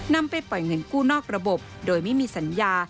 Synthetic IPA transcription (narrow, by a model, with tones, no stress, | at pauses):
na˧mpa˧jpɔ˨˩jŋɤ˧˥nkuː˥˩nɔː˥˩k̚ɾa˧bo˨˩p̚doː˧jma˥˩jmiː˧sa˩˦njaː˧